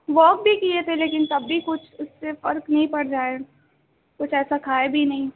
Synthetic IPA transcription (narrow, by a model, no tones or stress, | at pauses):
ʋɔːk̚bʱikiet̪ʰeleːkɪnt̪ɐbːikʊt͡ʃʰʊsːefɐɾknɐɦĩpɐɽɾaːe | kʊt͡ʃʰɛːsakʰaːebʱinɐɦĩː